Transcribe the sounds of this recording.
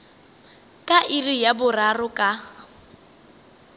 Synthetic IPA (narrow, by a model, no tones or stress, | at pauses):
kʼaʔɪrijabʊrarʊkʼa